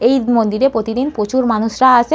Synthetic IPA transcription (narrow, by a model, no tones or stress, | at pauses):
ejmond̪iɾepɾot̪id̪inpot͡ɕuɾmanuʃɾaaʃʰe